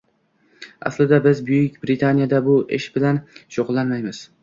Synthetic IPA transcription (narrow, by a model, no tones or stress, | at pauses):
a̰slɪd̪abɪzbʊjɪkʲbɾɪt̪ʰanijad̪abʊʔeʃbɪlanʃoʁʊlˠːanmajmɪz̥